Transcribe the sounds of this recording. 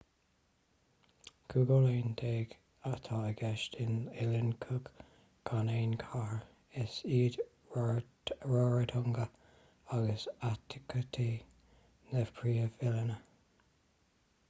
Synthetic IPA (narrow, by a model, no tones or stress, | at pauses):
kʰuɡoleːnd̪eːɡ | at̪ʰɑəɡɛʃtɪnɪlɪnkʰʊɡ | ɡ̥ʰaneːnkʰaɹ | ɪsiːd̪ | ɹɔɹəd̪ʰʊŋɡə | aɡəsat̪ʰɪ̥kʰət̪ʰiː | nəv̥pʰɹiːəvɪlənə